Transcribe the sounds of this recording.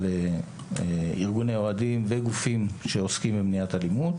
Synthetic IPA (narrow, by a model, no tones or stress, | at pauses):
le | iʁɡuneoadimveɡufimʃe̞oskimbemniatalimut